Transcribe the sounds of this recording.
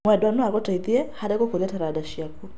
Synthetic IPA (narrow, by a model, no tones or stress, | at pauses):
mwɛdwanuakɔtaiðiɛhaɾɛkɔkɔɾiataɾadaʃiaku